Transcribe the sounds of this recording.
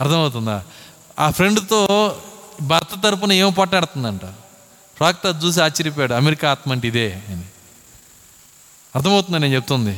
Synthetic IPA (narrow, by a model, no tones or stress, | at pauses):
ɐɾt̪ʰɐmɐwut̪̬und̪a̰ː | aːpʰɾeɳɖt̪oː | bʱɐːɾt̪ɐt̪ɐɾup̬unɐeːmɐp̬aːʈnaːɽt̪und̪ɐɳʈɐ | ɾaːk̚t̪ɐt͡ʃuːs̬iaːt͡ʃːɐɾip̬ːjaːɽuɐmeɾikaːt̪mɐɳʈid̪eːɐni | ɐɾt̪ʰɐmɐwt̪und̪ɐnent͡ʃep̚t̪und̪i